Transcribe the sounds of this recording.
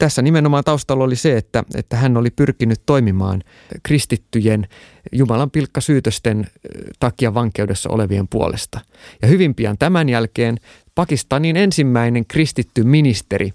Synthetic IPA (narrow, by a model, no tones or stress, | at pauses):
t̪æsːænimenomɑːt̪ɑust̪ɑlːoliseet̪ːæ̰ḛt̪ːæhænːolipyrkinyt̪to̞imimɑ̰ːn | krist̪it̪ːyjen | jumɑlɑmpilkːɑsyːt̪øst̪ent̪ɑkiɑʋɑŋke̞uwdesːɑ̰o̰leʋiempuo̰lest̪ɑ | jɑhyʋimpiɑ̰nt̪æmænjælkeːn | pɑkist̪ɑninensimːæineŋkrist̪it̪ːyminist̪eɾʔi